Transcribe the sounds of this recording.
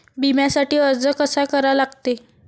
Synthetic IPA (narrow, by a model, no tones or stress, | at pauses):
bimjasaʈiːəɾd͡zəkəsakəɾalaɡt̪e